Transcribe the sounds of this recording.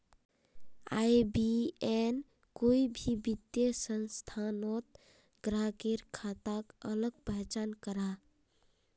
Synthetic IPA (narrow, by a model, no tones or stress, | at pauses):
a̰jbien | koibʱibid̪jəsənst̪ʰanot̪̚ | ɡɾaɡeɾkʰat̪akələɡ̚pəɦt͡ʃankəɾa